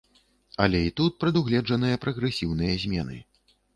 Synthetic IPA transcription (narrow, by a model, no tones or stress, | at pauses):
ɐlʲɛit̪ut̪̚pɾɐd̪uɣlʲɛd͡ʐɐn̪ɨjɐpɾɐɣɾɛsʲiwnɨjɐzʲmʲɛnɨ̰